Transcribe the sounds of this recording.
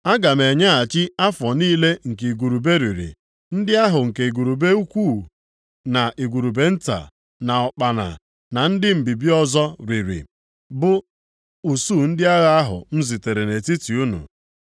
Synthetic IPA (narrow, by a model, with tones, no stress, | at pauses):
a˦ɡa˨me˨ɲa˦a˨t͡ʃɪ˦a˦fɔ˨niː˦le˦ŋ̩˨ke˨i˨ɡu˨ɾu˨be˦ɾi˨ɾḭ˨ | n̩˦dɪ˦a˦ɦʊ˨ŋ̩˨ke˨i˨ɡu˨ɾu˨be˦u˦kʷu˦˨ | na˨ʔi˨ɡu˨ɾu˨be˨n̩˦ta̰˨ | na˨ɔ˨k͡pa˨na̰˨ | na˨n̩˦dɪ˦m̩˨bi˨bi˦ɔ˦zɔ˦ɾi˨ɾḭ˨ | bʊ˦ | u˨su˦˨n̩˦dɪ˦a˦ɣa˦a˦ɦʊ̰˨m̩˦zi˨te˨ɾe˨ne˨ti˦ti˨u˦nṵ˨